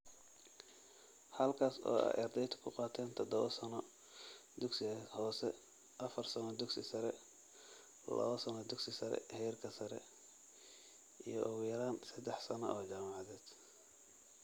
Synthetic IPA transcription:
hɐlkʰaːsɔ̰ːɐ̰ʔɑ̰rd̪ɛjt̪ʰɐ̥kʰʊqɑːt̪ʰɛːnt̪ʰɔd̪ɔβɐsɐnɔ | d̪ʊɡsɪhɔːsɛ | ʔɐfɐrsɐnɔd̪ʊɡsɪsɐɾɛ | lɐ̰βɐsɐnɔd̪ʊɡsɪsɐɾɛ̰hɛjrkʰɐsɐɾɛ̰ | ijɞʔʊɣʊjɐɾaːnsɐd̪ɛħsɐnɔ̰ʔɔːt͡ʃaːmɑʕɑðɛːd̪̥

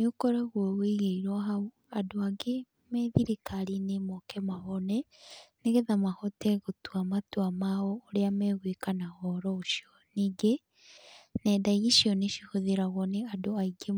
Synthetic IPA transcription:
nokɔɾaɣwɔɣweɣeiɾwaɦau | adoaɡe | mɛðiɾikaɾinemɔkɛmaɦɔnɛ | neɣeðamahɔtɛɣotwamatwamaɔːɾeamɛɣwekanahɔɾɔoʃjɔ | niːɡe | nɛdaiɣiʃiɔneʃihoðeɾaɣwɔneadoaiɡe

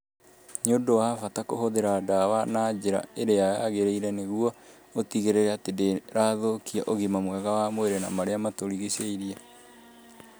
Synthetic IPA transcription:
ɲodowafatakohoðeɾadawanaːd͡ʑeɾa̰eɾeajaɣeɾeiɾɛneɣuɔ | otiɣeɾeɾɛatedeɾaːðokiaʔoɣimamwɛɣawamoeɾɛnamaɾeamatoɾiɣiseiɾia

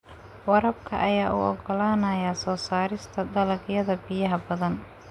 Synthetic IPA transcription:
wɑɾɐbkʰɐ̰ʔɐjaːʔṵʔɔ̰ɡɔlaːnɐjaːsɔːsaːɾɪst̪ʰɐd̪ɐlɐɡjɐðɐbɪjɐɦɐbɐðɐn

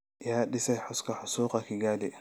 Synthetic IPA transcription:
jaːɗɪsɛjħʊskʰɐħʊsuːqɑkʰɪɡaːd̪ɛ

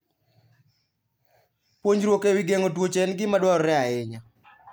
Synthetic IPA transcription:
poɲd͡ʒɾwokɛwɪɡɛŋɔtwot͡ʃɛnɡɪmadwaɾɔɾɛaɪɲa

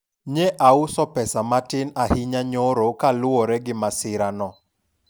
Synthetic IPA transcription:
ɲɛʔaʊsɔpɛsamatɪnahɪɲaɲoɾokalʊoɾɛɡɪmasɪɾanɔ

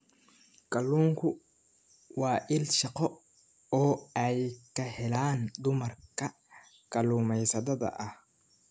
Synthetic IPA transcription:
kɐlːuːŋkʰʊ | wɑːʔɪlʃɑqɔ | ɔːɐjkʰɐhɛlaːnd̪ʊmɐrkʰɐ | kɐluːmɛjsɐðɐðɐ̰ʔɐh

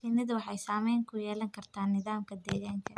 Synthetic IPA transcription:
sinɐðʊwɑħɑjsaːmɛjŋkʰʊjɛːlɐŋkʰɐrt̪ʰaːnːɪðaːmkʰɐd̪ɛːɣaːŋkʰɐ

